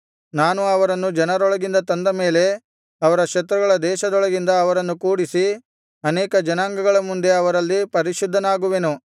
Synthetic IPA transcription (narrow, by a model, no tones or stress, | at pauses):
naːnuɐʋɐɾɐnːud͡ʒɐnɐɾɔɭɐɡind̪ɐt̪ɐnd̪ɐme̞ːle̞ | ɐʋɐɾɐkʂɐt̪ɾɐɡɐɭɐd̪ɛːʃɐd̪ɔɭɐɡind̪ɐːʋɐɾɐnːukuːɽisi | ɐnɛːkɐd͡ʒɐnaːŋɡɐɡɐɭɐmund̪e̞ɐʋɐɾɐlːipɐɾiʃud̪ʱːɐnaːɡuʋenu